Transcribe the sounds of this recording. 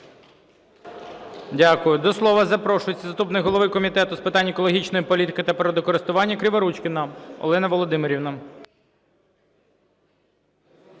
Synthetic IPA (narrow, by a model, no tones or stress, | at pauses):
dʲakʊjʊd̪ɔslˠɔʋɐzɐpɾɔʃʊjet͡sʲːɐzɐst̪upnɪɦɔlˠɔʋɪkɔmʲit̪ɛt̪ʊspɪt̪ɑnʲːɛkɔlˠɔɦʲit͡ʃnɔjipɔlʲit̪ɪkɪt̪ɐpɾɔd̪ɔkɔɾɪst̪ʊʋɑnʲːɐkɾʲɪʋɐɾut͡ʃkʲɪnɐɔ̰lˠɛnɐʋɔlˠɔd̪ɪmɪɾʲiwnɐ